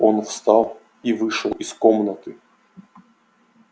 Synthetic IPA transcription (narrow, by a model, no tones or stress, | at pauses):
onfst̪ɑlˠ | ivɨʂəlˠɪskomnət̪ɨ